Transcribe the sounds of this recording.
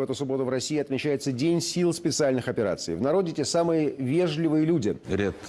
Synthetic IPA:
vɛt̪ʊsʊbo̞t̪ʊvɾɐsʲijːɪɐt̪mʲɪt͡ɕæjɪt̪sədʲenʲsʲilˠspʲɪt̪sɨalʲnɨxɐpʲɪɾa̰t̪sɨ̰jvnɐɾo̞dʲɪtʲesamɨjəvʲe̞ʐlʲɪvɨjəlʲudʲɪɾʲet̪

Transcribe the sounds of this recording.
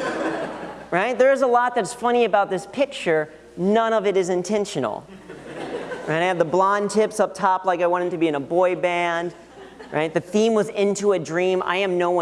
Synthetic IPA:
ɹaɪt̪̚ðə˞ɨzəlɔt̪̚ðɨtsfʌñiɨbaʊt̪̚ðɪspʰɪk̚t͡ʃə˞ | nʌ̃ñʌvɨɾɨzɨ̃ntʰɛ̃nʃɨn̩l̩ˠ | ʔaɪɾaɪɨvðəblɑ̃ntʰɪpsʌp̚tʰɑplaɪkaɪwɑ̃ɾɨd̚tʰɨbiɨ̃nəbɔɪbæ̃nd | ɹa̰ɪt̪̚ðɨθĩmwʌzɪ̃ntuɨdɹĩma̰ɪɨ̃mnoʊwʌ̃

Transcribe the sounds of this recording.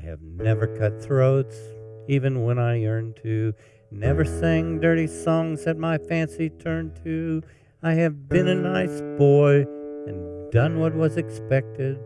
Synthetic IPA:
aɪɨ̰vnɛvə˞kʰʌt̪̚θɹoʊtsivɨ̃nwə̃ñaɪɜ̃˞ntʰʉ | nɛvə˞sɪ̃ŋdɜ˞ɾisɔ̃ŋz̥ɨt̚maɪfæ̃nsitʰɜ̃˞ntʰʉ | aɪɨvbɨ̃nɨnaɪsb̥ɔɪɨ̃ndʌ̃nwʌt̬̚wʌzɨkspɛk̚tɪd̥̚

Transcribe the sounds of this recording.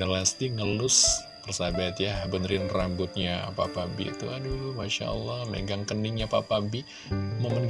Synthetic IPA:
alast̪iŋəlʊs | pərsabat̪ijabənɾɪnrambʊt̪̚ɲapapabḭt̪uadumaʃa̰ə̰lːɑhmḛɡaŋkənɪŋɲapapabi | məmənɡ

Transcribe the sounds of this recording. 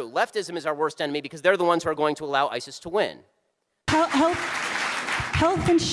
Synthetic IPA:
lɛftɪzɨ̃mɨzaʊə˞wɜ˞stɛ̃nɨmibɨkʰʌzðə˞ðəwʌ̃nz̥huə˞ɡoʊɪ̃ŋtʰəəlaʊʔa̰ɪsɨstʰəwɪ̰̃n | hɛhɛlˠθ | hɛlˠθɨ̃nʃ

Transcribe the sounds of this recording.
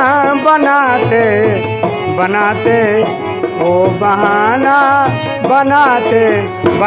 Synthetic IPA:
bənat̪e | bɐnat̪e | obəɦaːna | bənat̪e | b

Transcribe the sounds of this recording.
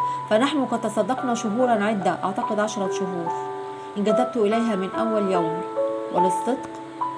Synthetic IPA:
fænaħnʊqɑd̪̚t̪ɑsˤɑd̪ːɑqnɑʃʊɦuːɾˤɑnʕɪd̪ːæʔɑʕt̪ɑqɪd̪ʕɑʃɑɾˤɑʃʊɦuːɾ | ʔɪnɡæd̪æb̚t̪ʊʔɪlæjɦæːmɪnʔæwːæljæwmwʔɪ̰lɪsˤːɨd̪q

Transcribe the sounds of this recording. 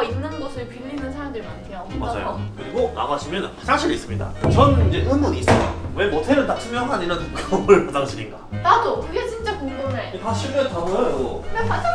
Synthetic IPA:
innːɯnɡʌsʰɯɭpilːinɯnsʰaɾaŋdɯɭmankʰejomad͡ʑa̰jo̰kɯɾiɡona̰ɡaɕʰimjʌnasʰaŋɕʰiɾis͈ɯmɲida̰t͡ɕʌnind͡ʑehɯnbuniːs͈ɯjo̰we̞motʰeɾɯntat͡ɕʰɯmjʌnɦaɲiɾatuɡʰɯʌmɯɭpʌdaŋɕʰiɾinɡanadokɯɡe̞t͡ɕint͡ɕ͈akoɡonekaɕʰiɭmʌntaŋʌjoepat͡ɕ͈ʰ

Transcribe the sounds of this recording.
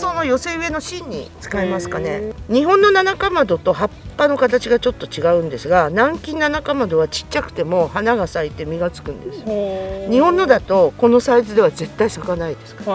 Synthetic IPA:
so̞no̞jo̞se̞ɯ̟e̞no̞ɕĩɲ̟ːḭt͡sɨ̥kaimasɨ̥kane̞ɲ̟iɦõ̞nːo̞nanakamad̪o̞t̪o̞ɦapːano̞kat̪at͡ɕiɡat͡ɕo̞t̪ːo̞t͡ɕiɡaɯ̟̃nd̪e̞sɨɡanãŋkʲĩnːanakamad̪o̞βat͡ɕi̥tt͡ɕakɯ̟̥t̪e̞mo̞hanaɡasait̪e̞mʲiɡat͡sɨ̥kɯ̟̃nd̪e̞sɨ̥ɲ̟ihõ̞nːo̞d̪at̪o̞ko̞no̞saizɨd̪e̞βaze̞t̪ːaisakanaid̪e̞sɨ̥kḁ

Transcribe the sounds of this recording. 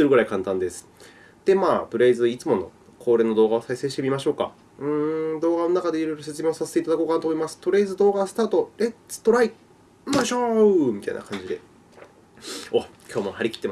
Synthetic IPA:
sɨɾɯɡɯ̟ɾaikãnt̪ãnd̪e̞sɨ̥ | d̪̥e̞maːpɯ̟ɾeizɨit͡sɨmo̞no̞̰ | kʰoːɾe̞ːno̞d̪oːɡaosaise̞ːɕi̥t̪e̞mʲimaɕo̞ːka̰ | ɯ̟̃ɴd̪o̞ːɡanonakad̪e̞iɾo̞jɾo̞se̞t͡sɨmʲeosaset̪e̞it̪ad̪ako̞ːkanat̪omoimasɨ̥t̪oɾe̞izɨd̪o̞ːɡasɨ̥t̪aːt̪o̞ɾet͡sɨ̥t̪o̞ɾai | maɕoɯmʲit̪a̰ḭna̰kʰãɲ̟d͡ʑid̪e̞̰ | okʲʰo̞ːmohaɾʲikʲi̥t̪ːea

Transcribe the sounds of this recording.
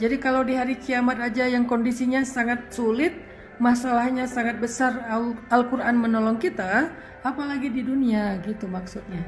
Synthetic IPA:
d͡ʒadikalawdiɦaɾikiamat̪ad͡ʒajaŋkɔndisiɲasaŋat̪̚sulɪt̪̚ | masalahɲasaŋat̪̚bəsaralkuɾʔanmənɔlɔŋkit̪aː | palaɡididuniaɡit̪umaksut̪̚ɲa

